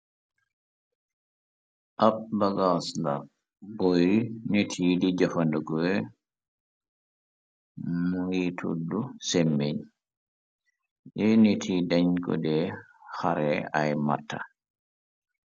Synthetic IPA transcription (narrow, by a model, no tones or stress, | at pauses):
ʔabbaɡasla̰ | bɔjnetʰiːdid͡ʒɔfanduɡɔɛ | muŋɡitʰṵdːusɛmːeɲ | ʔɛnetʰidaɲkɔ̰dɛ | haɾɛajma̰tʰːa̰